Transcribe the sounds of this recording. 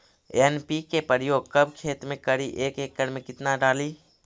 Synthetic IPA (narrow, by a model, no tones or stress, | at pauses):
eɛnpikepəɾjoːɡ̚kɐbkʰeːt̪ɾmẽkɐɽiʔeːkeːk̚ːəɾmẽkɪt̪naɖaːliː